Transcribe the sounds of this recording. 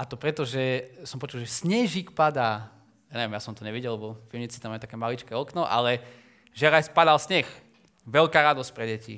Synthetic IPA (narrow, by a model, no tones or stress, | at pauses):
ʔat̪ɔpɾɛt̪ɔʒɛsɔmpɔt͡ʃulʒɛsɲɛʒikpad̪aː | jaɲɛʋiɛmjasɔmt̪ɔɲɛʋiɟɛlɛbɔfilɲit͡sit̪amaut̪akɛːmalit͡ʃkɛɔknɔʔa̰lɛ | ʒɛɾajspad̪alsɲɛx | ʋɛʎkaːɾad̪ɔsc̚pɾɛɟɛcḭ